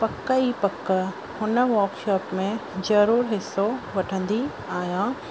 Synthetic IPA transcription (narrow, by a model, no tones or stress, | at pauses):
pɐkːəiːpɐkːə | hʊnə̆ʋɐːɾkʃɔːpmẽzɐɾuːɾɦɪsːoʋɐʈʰə̃nd̪i | aːɦjãː